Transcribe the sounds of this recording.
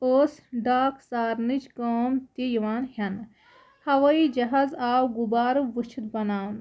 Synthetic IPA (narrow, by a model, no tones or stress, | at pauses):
oːsɖaːkʰsaːɾnit͡ʃkoːmt̪ijiʋaːnɦjɐn | hɐʋɐid͡ʒɐɦɐzaːwɡubaːɾɨʋɨt͡ʃʰit̪̚bɐnaːn